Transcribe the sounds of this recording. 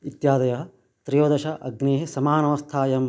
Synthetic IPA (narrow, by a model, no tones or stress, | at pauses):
it̪jaːd̪ɐjɐɦɐ | t̪ɾijoːd̪ɐʃɐʔɐ̰ɡneːɦesɐmaːnɐʋɐst̪ʰaːjɐm